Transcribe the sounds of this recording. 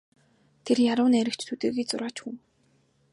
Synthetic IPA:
t̪ʰerjaɾʊːneɾɘ̆kt͡ɕt̪ʰut̪eːɣiːt͡sʊɾaːt͡ɕxuŋ

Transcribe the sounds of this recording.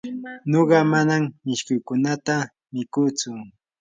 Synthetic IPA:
noɢɑmanammɪʃkʊjkʊnat̪a | mɪkʊt͡sʊ

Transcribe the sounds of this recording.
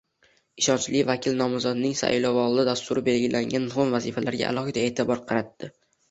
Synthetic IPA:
ɪʃɒnt͡ʃlɪvakʲʰɪlnɒmʊzɒd̪nɪŋsa̰ʔlɒvɒlɪd̪ast̪ʊɾɪbe̞lɡʲɪlʔaŋɡʲanːχʊnvazifalaɾɡʲa̰ʔa̰lˠɒhɨd̪ae̞ːt̪ʰɪbɒɾqʰɑɾat̪ːɪ

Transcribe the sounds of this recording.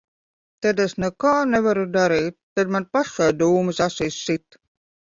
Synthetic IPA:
t̪ɛd̪ɛsnɛkaːnɛvaɾud̪aɾiːt̪̚ːad̪manpaʃad̪uːmɨsasiːsːit̪

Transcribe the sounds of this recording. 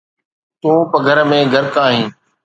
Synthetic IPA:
t̪ũːpəɡʱəɾmẽːɡʱəɾkaːɦĩː

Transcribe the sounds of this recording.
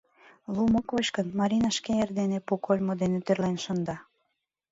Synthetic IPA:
lˠumokvot͡ɕkənmɑɾʲinɑʃkeerd̪enepukolʲmod̪enet̪erlenʃond̪ɑ

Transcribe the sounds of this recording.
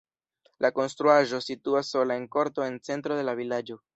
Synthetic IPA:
lʔako̞nst̪ɾuaʒo̞situasːo̞lae̞nko̞ɾto̞e̞nt͡se̞nt̪ɾo̞delavilad͡ʒo̞

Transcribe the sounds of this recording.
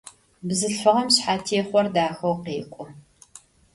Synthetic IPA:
bzɨɬfɨʁɐmɕħaːtʰiːχʷɔrdaːxɐwqeːkʷʼʊ

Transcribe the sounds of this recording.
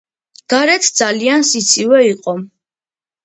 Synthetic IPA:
ɡ̥aɾɛt̪ʰd̪zaliansit̪sʰivɛiqʼɔ

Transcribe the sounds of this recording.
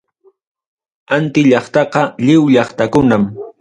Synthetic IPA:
ant̪ɪʎɑχt̪ɑqɑʎɪwʎɑχt̪akʊnam

